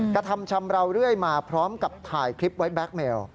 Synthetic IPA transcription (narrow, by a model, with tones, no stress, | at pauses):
kɾa˧t̪ʰa˧mt͡ɕʰa˧mɾa˧wɾɯ˥˩əjmaː˧pʰɾɔː˦˥mka˨˩p̚t̪ʰaː˨˩jkʰɾi˦˥p̚wa˦˥jbɛː˦˥k̚meː˧w